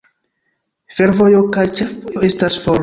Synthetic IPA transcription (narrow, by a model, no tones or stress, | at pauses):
fe̞ɾvo̞jo̞kajt͡ʃe̞fojoestasfoɾ